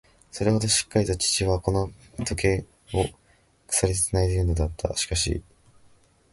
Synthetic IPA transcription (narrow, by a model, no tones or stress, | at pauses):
so̞ɾe̞ho̞d̪o̞ɕi̥kːaɾʲit̪ot͡ɕi̥t͡ɕiβako̞no̞ | t̪o̞ke̞ | o | kɯ̥saɾʲet̪e̥t͡senaid̪ejɯ̟no̞d̪at̪ːa̰ɕi̥kaɕḭ